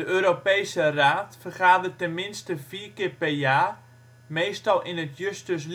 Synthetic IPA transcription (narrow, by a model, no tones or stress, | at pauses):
dəøːɾopejsəraːtfərχaːdərtɛnmɪnstəfiːkɪrpɛrjaː | mejstɑlˠʔɪnətjøstəs